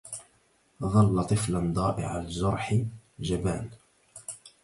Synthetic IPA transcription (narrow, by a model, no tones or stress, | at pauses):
ðˤɑlːɑt̪ˤɨfland̪ˤɑːʔɪ̰ʕa̰lɪzʊɾˤħd͡ʒaba̰ːn